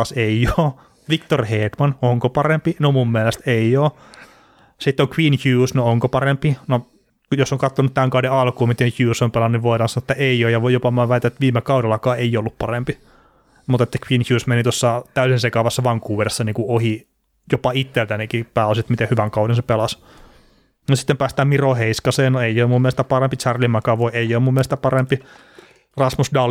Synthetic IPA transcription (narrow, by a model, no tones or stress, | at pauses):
ɑseioː | ʋikt̪orheːt̪mɑnoŋkopɑrempinomumːielest̪eioː | sit̪ːoŋkwiːnçuːsnooŋkopɑrempino | josːoŋkɑt̪ːonut̪t̪æŋkɑudeɑlkuːmit̪ençjuːsompelɑnuniʋʋoiɾɑːnsɑnoːet̪ːæeioːjɑʋojopɑmɑʋɑˑit̪æet̪ʋiːmekɑuɾelːˑɑkɑːeiolːuppɑrempi | mut̪et̪ːækʋiːnçjuːsmenit̪uosːɑt̪æysinsekɑʋɑsːɑʋɑŋkuːʋeresːɑniːŋkuohi | jopɑit̪ːelt̪ænikipæːosiet̪mit̪ehyʋæŋkɑudensepelɑs | nosi̥t̪ːempæːst̪æːmmiroheiskɑseːnnoeioːmumːielest̪æpɑrempit͡ʃærlimɑkɑːʋoieijoːmumːielest̪æpɑrempi | rɑsmusdɑl